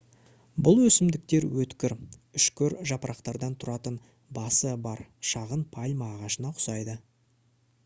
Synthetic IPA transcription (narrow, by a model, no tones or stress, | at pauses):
bʊlˠwɵsɪmd̪ɪk̚t̪e̞ɾwɵt̪kʲɪɾʏʃkʲɵɾʒɑpɾʔɑqt̪ɑɾd̪ɑnt̪ʰʊɾɑt̪ən | bɑsəbɑɾʃɑʁənpʰɑlʲmɑːʁɑʃənɑqʰʊ̥sɑjd̪ə